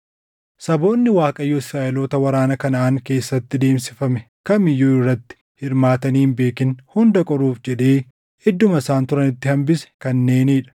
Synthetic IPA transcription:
sɐbo̞ːnːɪwaːkʼɐjːoːɪsɾaːʔɛloːt̪ɐwɐɾaːnɐkɐnaːŋke̞ːsːɐt̪ːɪd̪e̞ːmsɪfɐmɛ | kɐmɪjːuːɪrːɐt̪ːɪ̥ | hɪɾmaːt̪ɐniːmbe̞ːkɪnhʊnd̪ɐkʼɔɾuːfd͡ʒɛᶑeː | ɪd̪ːʊmɐɪsaːnt̪ʊɾɐnɪt̪ːɪhɐmbɪsɛ̥kɐnːe̞ːniːᶑɐ̥

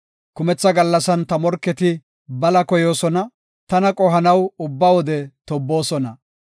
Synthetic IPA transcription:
kʊmɛt͡sːɐɡɐlːɐsɐnt̪ɐmɔɾkːɛt̪ɪ | bɐlɐkɔjo̞ːsɔnɐ | t̪ɐnɐkʼɔɦɐnɐwʊbːɐwɔd̪ɛt̪ɔbːo̞ːsɔnɐ

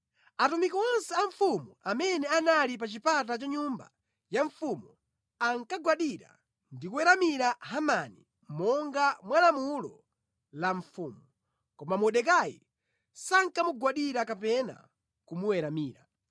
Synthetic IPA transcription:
atumikɔɔnsɛaɱfumuamɛnɛanalip̬at͡ʃipat̬at͡ʃaɲumba̰ | jaɱfumu | aŋkaɡwaɗiɾa̰ | ndikuwɛɾamiɾaɦamani | mɔŋɡamwanamulɔ | laɱfuːmu | kɔmamɔɗɛkajḭ | saŋkamuɡwaɗiɾakapɛna̰ | kumuwɛɾamiːɾa

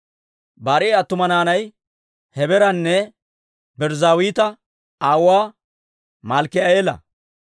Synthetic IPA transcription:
baːɾɪːɐt̪ːʊmɐnaːnɐj | hɛbɛɾɐnːɛ | bɛɾzaːwiːt̪ɐ | aːwaː | mɐlkɪɐeːlɐ̰

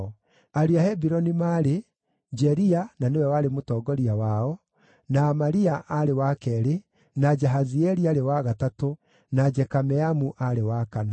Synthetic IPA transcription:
aɾiahɛbiɾɔnimaɾe | d͡ʒɛɾiananewɛwaɾemotɔːɡɔɾiawaɔ | naːmaɾiaʔaɾewakɛɾe | nad͡ʒɛɦaziɛɾiaɾewaɣatato | nad͡ʒɛkamɛamuʔaɾewakana

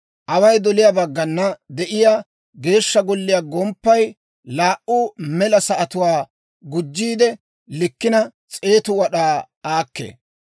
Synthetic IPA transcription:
ʔɐwɐjd̪ɔlɪjaːbɐɡːɐnːɐd̪ɛʔɪjaː | ɡe̞ːʃːɐɡɔlːɪjaːɡɔmpːɐj | laːʔuːmɛlɐsɐʔɐt̪ʊwaː | ɡʊd͡ʒːiːd̪ɛ | lɪkːɪnɐt͡sʼe̞ːt̪ʊwɐɗaː | aːkːḛː

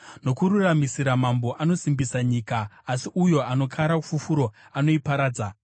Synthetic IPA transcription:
no̞kuɾuramisiɾamambo̞ʔano̞simbisaɲiːkaːsiʔujo̞ano̞kʰaɾakufufuɾo̞ano̞ipaɾaːd͡za

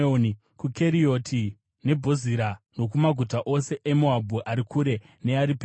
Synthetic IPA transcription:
n | kuke̞ɾio̞tʰi | ne̞bʱo̞ziɾano̞k̬umaɡʱutaʔo̞se̞ʔemuabʱuʔaɾikʰuɾe̞ | ne̞aɾipe

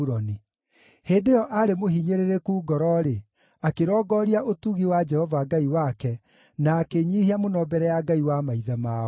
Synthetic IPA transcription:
ɾɔni | heːdejɔʔaɾemohiɲeɾeɾekuːɡɔɾɔɾe | akeɾɔːɡɔːɾiaʔotuɣiwad͡ʒɛhɔvaːɡaiwakɛ | naːkeɲiːhiamonɔbɛɾɛjaɡaiwamaiðamaːɔ

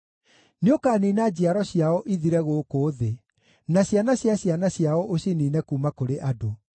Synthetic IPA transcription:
neokaːninad͡ʑiaɾɔɕjaɔʔiðiɾɛɣokoːðe | naɕjanaɕjaɕjanaɕjaɔʔoɕiniːnɛkuːmakoɾeʔado

